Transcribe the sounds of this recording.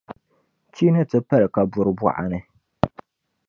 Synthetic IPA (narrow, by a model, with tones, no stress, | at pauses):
t͡ʃiː˦nɨ˦tɨ˦pa˦lɨ˨ka˨bʊ˨ɾɨ˨bɔ̰˨ʔa̰˨nɨ˦